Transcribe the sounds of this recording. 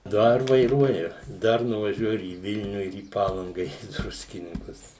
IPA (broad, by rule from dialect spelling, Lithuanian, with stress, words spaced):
ˈdɐr ʋɐɪˈruɔjʊ ˈdɐr nʊʋɐˈʒʲuɔjʊ ɪr iː ˈʋʲɪlʲnʲʊ ɪr iː ˈpɑːlˠɐŋɡɐ ɪr iː ˈdrʊsʲkʲɪnʲɪŋkʊs